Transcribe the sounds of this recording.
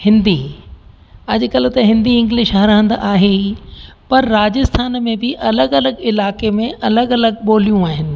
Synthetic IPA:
hɪ̃nd̪i | ɐʄkɐl̤t̪ɐɦɪ̃nd̪iɪ̃ŋɡlɪʃaɦɾəə̃nd̪ʔaːɦe | pɐɾːaːd͡ʑɪst̪ʰaːnmẽbɪʔɐləɡɐləɡɪlaːkemẽʔɐləɡɐləɡ̚ɓoːlijũaːɦɪnɪ̆

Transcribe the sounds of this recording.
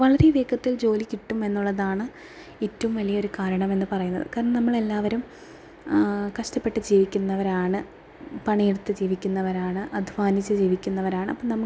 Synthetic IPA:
ʋɐɭɐɾeʋeːkʰːɐt̪ːild͡ʑo̞ːlikʲːiʈːume̞nːuɭːɐðaːɳɨ | etːɐʋumʋɐlijɐo̞ɾukaːɾɐɳɐme̞nːɨpɐrɐjunːɐ̰ðɨ̰kaːɾɐɳɐnɐmːɐɭe̞lːaːʋɐɾum | kɐʂʈɐpːe̞ʈːɨd͡ʑiːʋikʲːunːɐʋɐɾaːɳɨ | pɐɳiːɽut̪ːɨd͡ʑiːʋikʲːunːɐʋɐɾaːɳɨʔɐd̪ʱʋaːnit͡ɕːɨd͡ʑiːʋikʲːunːɐʋɐɾaːɳɨɐpːoːnɐmːɐ

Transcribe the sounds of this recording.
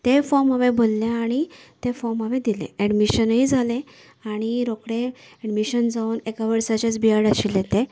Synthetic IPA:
t̪efɔɾməʋẽbolːẽaɽ̃it̪efɔɾmɦəʋẽd̪ilḛ̃ɛɖmiɕənɦid͡zʱalẽ | aɽ̃iɾokɽẽ | ɛɖmiɕənd͡zauːnekaʋəɾsat͡ɕat͡sbiaɽaɕiljet̪ẽ

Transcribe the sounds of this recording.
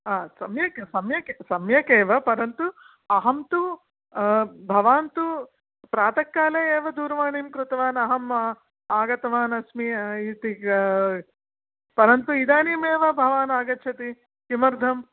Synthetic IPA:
aːsɐmjɐksɐmjɐkesɐmjɐkeːʋɐpɐɾɐnt̪u | ɐɦɐmt̪u | bʱɐʋaːnt̪u | pɾaːt̪ɐkːaːleːeːʋɐd̪uːɾʋaːɳiːmkɾut̪ɐʋaːnɐɦɐmɐ | aːɡɐt̪ɐʋaːnɐsmiit̪i | pɐɾɐnt̪uid̪aːniːmeːʋɐbʱɐʋaːnaːɡɐtːʃʰɐt̪i | kimɐɾd̪ʱɐm

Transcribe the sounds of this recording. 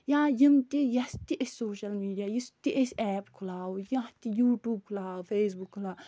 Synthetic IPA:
jãːjimt̪ijɐst̪iʔesʲsoːʃɐlmiːɖijaːjist̪iʔesʲɛːpkʰulaːwjat̪ijuːʈuːb̚kʰulaːupʰeːs̬bukʰːulaː

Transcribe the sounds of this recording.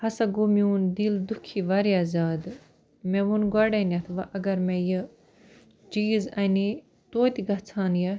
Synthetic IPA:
hɐsɐɡumjuːnd̪ild̪ukʰiʋaɾiaːzaːd̪ | mɛ̃ʋunɡwɐɽenʲɐt̪ʰʋɐʔɐɡɐɾmẽjɐ | t͡ʃiːzɐni | t̪oːt̪iɡɐt͡sʰaːnjɐ

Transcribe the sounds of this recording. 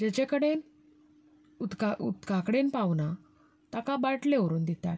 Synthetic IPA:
d͡ʑɛt͡ɕekəɽen | ut̪kaṵt̪ɡakɽenpawna | t̪akabaʈleʋɾuːnd̪it̪a̰t̪

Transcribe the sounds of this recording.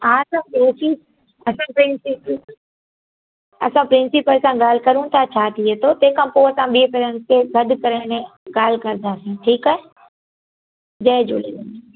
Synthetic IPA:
ɦãɐsãeːsiː | ɐsãpɾɪ̃nsip | ɐ̰sãpɾɪ̃nsipəlsãɠaːl̤kɐɾũt̪ʰat͡ɕʰaːt̪ʰiɦet̪ʰot̪eːkʰãːpoːɐsãɓiːkɐɾənɪt̪ʰeɡʱɐd̪kɐɾənẽɡaːl̤kɐɾd̪ʱaːsĩʈʰiːkaɦe | d͡ʒɐɪd͡ʒolini

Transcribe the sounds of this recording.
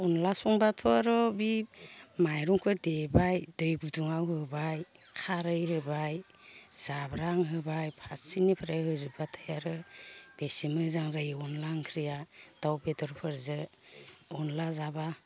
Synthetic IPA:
unlasuŋbatʰɔaɾɔbimajɾuŋkʰɯdebajdɯjɡuduŋawhɯbaj | kʰaɾɯjhɯbaj | z̥abɾaŋɦɯbajpʰassinipʰaɾajhɯzubatʰajaɾɯb̥esimɯzaŋzajɯɔnlaŋkʰɾijad̥awbedɔɾpʰɯɾzɯ | unlazaba

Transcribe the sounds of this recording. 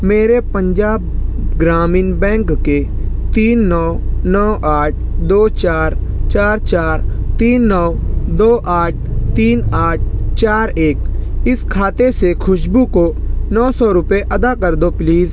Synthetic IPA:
meːɾepə̃ɲd͡ʒaːb̚ | ɡɾaːmiːnbɛ̃ːŋkːe | t̪iːnːɔːnɔːʔaːʈ̚ʰd̪oːt͡ʃaːɾt͡ʃaːɾt͡ʃaːɾt̪iːnːɔː | d̪oːʔaːʈ̚ʰt̪iːnaːʈ̚ʰt͡ʃaːɾeːkɪskʰaːt̪esekʰʊʃbukonɔːsɔɾʊpeʔɐd̪akəɾd̪opliːz

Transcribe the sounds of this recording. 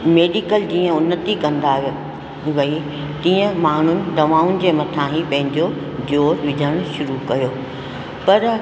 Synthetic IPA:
meːɖikəld͡ʑiːə̃ʊnːət̪ikɐ̃nd̪aɦ | ʋɐi | t̪ĩːə̃maːɳ̤ʊnɪ̆d̪ɐʋaːʊn̆d͡ʑeːmɐt̪ʰãɦĩpɐ̃ɦɪ̃ɲd͡ʑo | d͡ʑoːɾʋɪd͡ʑʱəɽ̃ʃʊɾukɐjoː | pɐɾ

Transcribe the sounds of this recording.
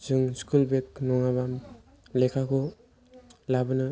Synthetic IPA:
zɯŋskulbek̚nɔŋaβam | lɛkʰakʰɔ | labɯnɯ

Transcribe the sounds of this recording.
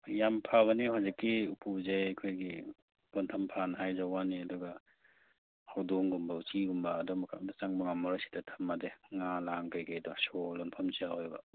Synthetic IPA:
jampʰaβɐniɦawzikːiupʰuzejakʰojɡi | b̥ɔntʰɐmpʰanɦajzawaniɐdɔɡa | hawdɔŋɡumbawt͡ʃiɡumbaːdɔmakʰa̰dasaŋbaŋamɔɾasi̥tatʰɐ̥mːadeŋalaŋkajɡajdɔsɔlɔnpʰamziahɔjbɐ

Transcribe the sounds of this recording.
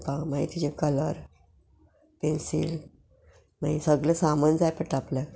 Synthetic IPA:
kãwmaɦit̪id͡ʑekələɾ | pensḭl | maɦisəɡləsamənd͡zajpəʈaplɛ

